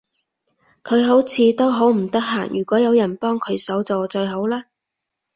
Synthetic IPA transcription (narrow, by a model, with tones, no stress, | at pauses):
kʰɵ˨˧ɥɦo˨˥wt͡sʰiː˨˧t̪o˥wɦo˨˥wm̩˨˩t̪ɐ˥k̚ɦa̰ː˨˩ŋjyː˨˩kʷɔː˨˥jɐ˨˧wjɐ˨˩npɔː˥ŋkʰɵ˨˧ɥsɐ˨˥wt͡soː˨t͡sɵ˧ɥɦo˨˥wlaː˥